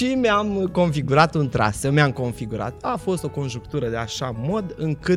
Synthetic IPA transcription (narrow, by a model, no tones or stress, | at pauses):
ʃimeamko̞nfiɡuɾat̪unt̪ɾa̰səmeamko̞nfiɡuɾa̰t̪afo̞st̪o̞ko̞nʒukt̪uɾəd̪e̞aʃamo̞d̪ɨŋkɨ